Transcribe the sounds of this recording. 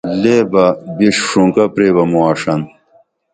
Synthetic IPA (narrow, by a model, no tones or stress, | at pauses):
leːbɐbiʂʂũŋkɐpɾeːbɐmuaːʂɐn